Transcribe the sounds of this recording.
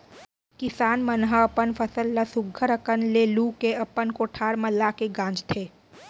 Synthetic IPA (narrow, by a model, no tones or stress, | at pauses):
kɪsaːnmənɦəɐpənfʰəsəlːasʊɡʱːəɾəkənlelukeɐpənkoːʈʰaːɾməlakeɡãːd͡ʒt̪ʰeː